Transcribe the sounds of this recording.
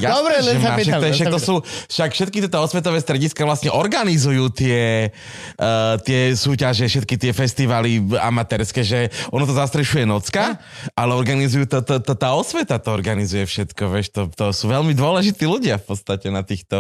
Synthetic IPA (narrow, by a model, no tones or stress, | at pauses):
jabɾɛɛmaʃɛɛʃak̚t̪ɔsuːfʃakfʃɛt̪̚kit̪ɪɛt̪ɔɔsʋɛt̪ɔʋɛːst̪ɾɛɟiskaʋlasɲɛʔɔɾɡanizujuːt̪ɪɛ | t̪ɪɛsuːcaʒɛfʃɛt̪̚kit̪ɪɛfɛst̪iʋaːlia̰mat̪ɛɾskɛːʒɛɔnɔt̪ɔzast̪ɾɛʃujɛnɔt͡skaʔalɛɔɾɡanizujuːt̪ɔt̪ɔt̪ɔt̪aːɔsʋɛt̪at̪ɔɔɾɡanizujɛfʃɛt̪kɔʋɪɛʃt̪ɔt̪ɔsuːʋɛʎmid̪ʊɔlɛʒit̪iːluɟɪafpɔt̪t͡st̪acɛnat̪iːxt̪ɔ